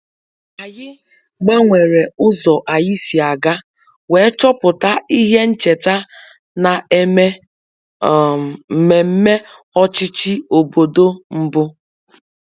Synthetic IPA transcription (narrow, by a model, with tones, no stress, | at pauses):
a˨jɪ˦ | ɡ͡ba˦ŋʷe˨ɾe˨ʊ˦zɔ˨ʔa˨ji˦si˨a˨ɡa˦ | we˨˦t͡ʃɔ˦pʊ˨ta˦i˦ɦe˦n̩˦t͡ʃe˨ta˦ | na˨e˦e˦˨ | me˨m̩˦me˦ | ɔ˦t͡ʃɪ˦t͡ʃɪ˦o˨bo˨do˦m̩˦bʊ˦